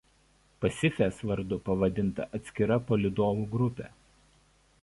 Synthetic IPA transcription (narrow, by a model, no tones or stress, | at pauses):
pɐsʲɪfʲeːsʋɐɾd̪ʊpɐʋɐd̪ʲɪnt̪ɐʔɐt̪ʲsʲkʲɪɾɐpoːlʲɪd̪oːʋuːɡɾʊpʲḛ